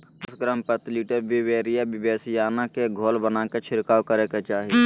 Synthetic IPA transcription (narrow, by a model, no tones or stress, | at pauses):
ɐsɡɾaːmpət̪liːʈəbiweːɾijabɪbeːsijaːnakeɡʱoːlbənaket͡ʃʰɪɾkaːwkəɾeːket͡ʃaːɦi